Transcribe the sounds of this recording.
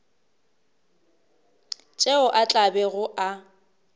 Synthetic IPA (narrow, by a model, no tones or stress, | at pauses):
t͡ʃʼeʊʔat͡ɬʼabɛɣʊʔa